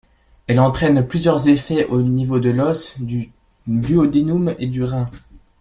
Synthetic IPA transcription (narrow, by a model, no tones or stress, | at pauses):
ɛlɑ̃t̪χɛnplyzjœʁzefɛʔonivod̪əlɔs | d̪yod̪enumed̪yʁɛ̃